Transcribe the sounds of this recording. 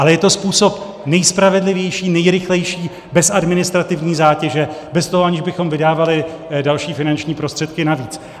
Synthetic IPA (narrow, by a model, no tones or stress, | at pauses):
ʔalɛjɛt̪o̞spuːso̞p | nɛjspɾavɛdlɪvjɛjʃiːnɛjɾɪxlɛjʃiː | bɛsadmɪnɪst̪ɾat̪ɪvɲiːzaːcɛʒɛbɛst̪oɦoaɲɪʒbɪxo̞mvɪdaːvalɪ | dalʃiːfɪnant͡ʃɲiːpɾo̞st̪r̥ɛt̪̚kɪnaviːt͡s